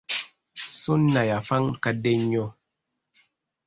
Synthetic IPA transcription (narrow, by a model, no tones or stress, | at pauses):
sunːajafaŋkadɛɲɔ